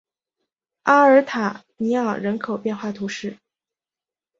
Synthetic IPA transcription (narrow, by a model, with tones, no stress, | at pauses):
a˥ə˞˧˥t̪ʰa˨˩˦ | ni˧˥ɑ˨˩ɻə˧˥nkʰo˨˩ʊpjɛ˥˧nxwa˥˩t̪ʰu˧˥ʂɻ̩˥˩